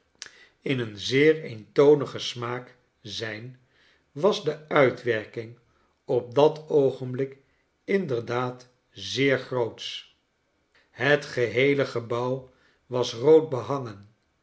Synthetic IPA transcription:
ɪnənzɪːɹejntownəχəsmaːk | zɛjn | ʋɑzdəœɥtʋɛɹkɪŋ | ɔp̚dɑtowχənblɪk | ɪndəɹdaːt | zɪːɹχrowts | ɦətχəɦejləχəbʌw | ʋɑsrowd̚bəɦɑŋən

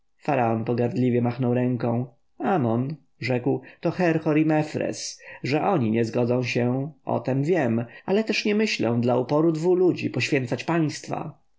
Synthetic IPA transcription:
faɾaɔnpɔɡaɾd̪lʲivʲjɛmaxnɔwɾɛŋkɔ̃w̃ | amɔn | ʐɛkwt̪ɔxɛɾxɔɾimɛfɾɛ̰sʐɛʔɔɲiɲɛzɡɔd̪zɔ̃w̃ɕɛɔ̰t̪ɛmvʲjɛmalɛt̪ɛʂɲɛmɘɕlɛ̰̃w̃d̪laupɔɾud̪vulud͡ʑipɔɕfʲɛnt̪sat͡ɕpaj̃st̪fa̰

